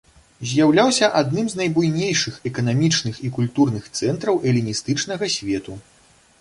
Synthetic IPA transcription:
zʲjawlʲawsʲɐʔad̪nɨmznɐjbujnʲejʂɨxɛkɐnamʲit͡ʂnɨxikulʲt̪urnɨxt̪sɛnt̪ɾɐwʔɛlʲinʲist̪ɨt͡ʂnɐɣɐsʲvʲɛt̪u

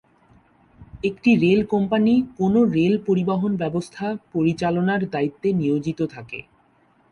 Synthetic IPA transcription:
ekʈiɾelkɔmpanikonoɾelpoɾibaɦonbɛbost̪ʰapoɾit͡ɕalonaɾd̪ait̪ːeniod͡ʑit̪ot̪ʰakḛ

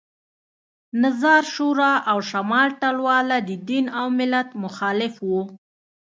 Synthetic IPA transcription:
nazɑɾʃuɾɑʔawʃamɑlʈalwɑlad̪əd̪inawmɪlat̪mʊxɑlɪfwu

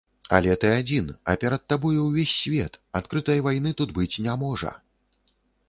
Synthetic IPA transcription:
ɐ̰lʲɛt̪ɨad͡zʲinɐ̰pʲɛɾɐt̪ːabɔjɛwvʲesʲːvʲɛt̪at̪kɾɨt̪ɐjvajnɨt̪ud̪bɨt͡sʲnʲamɔʐɐ̰

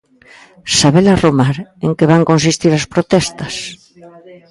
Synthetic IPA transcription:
saβelaromaɾeŋkeβaŋkonsist̪iɾaspɾot̪ɛst̪ɐs

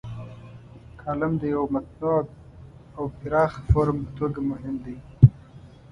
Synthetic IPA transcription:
kʰɑlɪmd̪əjawmat̪̚no | awpɪɾɑːxfoɾmpət̪oɡamʊɦɪmd̪aj

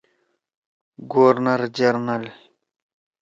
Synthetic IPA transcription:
ɡoːɾnɐɾd͡ʑɐɾnɐl

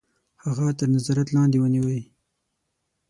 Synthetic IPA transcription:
haɣat̪əɾnazɑɾat̪lɑnd̪ewəniwəi

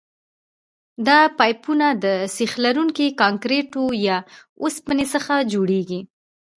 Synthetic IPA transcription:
d̪ɑpɑjpunad̪əsixlaɾuŋkikɑŋkɾeʈojɑ | ospənesəxad͡ʒoɽeɡi

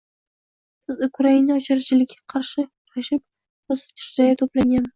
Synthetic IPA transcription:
bɪzʊkʰʊɾainaɔt͡ʃʰɪɾɪt͡ʃʰɪlɪkʲʰːḁqʰɑɾʃɪqʰʊɾaʃɪp̚ | ozɪ̥pt̪ʰɪ̥ɾd͡ʒajɪt̪ʰoplaŋʲam

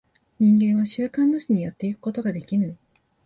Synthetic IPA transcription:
ɲ̟ĩŋɡẽ̞ɰ̃βaɕɨːkãnːoɕiɲ̟ijat̪ːe̞ikɯ̥ko̞t̪o̞ɡad̪e̞kʲinɯ

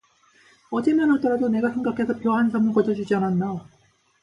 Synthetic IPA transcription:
ʌd͡ʑe̞manɦaɭt͈ʌɾadone̞ɡasʰe̞ŋɡakʰe̞sʰʌpjʌɦansʰamɯɭkʌd͡ʑʌd͡ʑud͡ʑiananːa

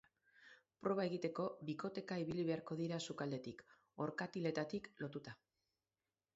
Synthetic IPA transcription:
pɾo̞β̞ae̞ɣit̪e̞ko̞βiko̞t̪e̞kaiβ̞iliβe̞aɾko̞ðiɾasukald̪e̞t̪ik | o̞ɾkat̪ile̞t̪at̪iklo̞t̪ut̪a

